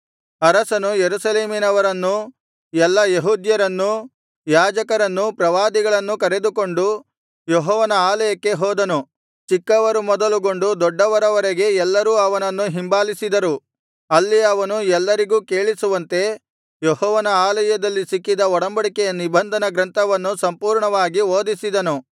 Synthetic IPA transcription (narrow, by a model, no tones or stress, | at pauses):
ɐɾɐsɐnujeɾusɐle̞ːminɐʋɐɾɐnːu | ɛlːɐjeɦuːd̪jɐɾɐnːu | jaːd͡ʒɐkɐɾɐnːupɾɐʋaːd̪iɡɐɭɐnːukɐɾe̞d̪uko̞ɳɖu | jɔɦɔːʋɐnɐaːlɐjɐkːe̞ɦɔːd̪ɐnu | t͡ʃikːɐʋɐɾumɔd̪ɐluɡo̞ɳɖud̪ɔɖːɐʋɐɾɐʋɐɾeɡe̞ɛlːɐɾuːɐʋɐnɐnːuɦimbaːlisid̪ɐɾu | ɐlːiɐʋɐnuɛlːɐɾiɡuːke̞ːɭisuʋɐnt̪e̞ | jɔɦɔːʋɐnɐaːlɐjɐd̪ɐlːisikːid̪ɐɔɽɐmbɐɽikɛjɐnibʱɐnd̪ʱɐnɐɡɾɐnt̪ʰɐʋɐnːusɐmpuːɾɳɐʋaːɡioːd̪isid̪ɐnu